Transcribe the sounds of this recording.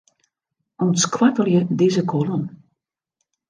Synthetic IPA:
ɔnskʰwakəljədɪzəkʰolˠən

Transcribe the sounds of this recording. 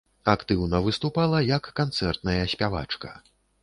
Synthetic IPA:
akt̪ɨwnɐvɨst̪upalˠɐjɐkːant̪sɛrt̪nɐjɐsʲpʲava̰t͡ʂkɐ

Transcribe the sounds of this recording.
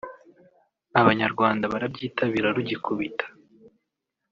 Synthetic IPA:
aβaɲaɾɡwaːndaβaɾabɟiːtʰaβiɾaɾuɟikuβitḁ

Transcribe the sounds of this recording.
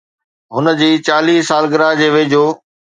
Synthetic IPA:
ɦʊnəd͡ʑiːt͡ɕaːliːsaːlɡɪɾaɦd͡ʑeːʋeːd͡ʑoː

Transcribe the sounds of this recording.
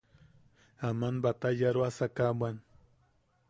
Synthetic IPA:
amanbat̪ajaɾwasakamwan

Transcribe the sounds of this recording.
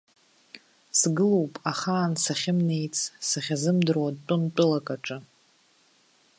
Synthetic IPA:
sɡɨlowpʼaχaːnsaχʲɪmne̞jt͡sʼʰsaχʲazɨmdɨrwatʷʼʊnt͡pʷʼʊlakʼaʈ͡ʂʼɨ

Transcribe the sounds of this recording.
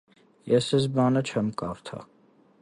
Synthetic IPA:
jɛsɛzbɑnət͡ʃʰɛmkɑɾt̪ʰɑ̰

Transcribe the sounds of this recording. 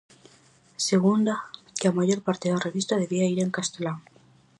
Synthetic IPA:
seɣund̪a | keamaʝoɾpaɾt̪eðareβist̪aðeβiaiɾeŋkast̪elaŋ

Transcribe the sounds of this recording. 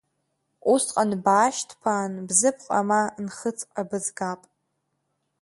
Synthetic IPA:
ʔusqʼanbaːʃtʰpʰaːnbzɨpʰqʼa̰manχət͡sʰʼqʼabɨzɡaːpʼ

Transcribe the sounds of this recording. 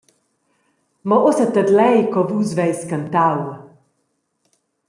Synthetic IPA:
mɔʔosat̪əd̪lɛjkɔvuzvɛjskant̪aw

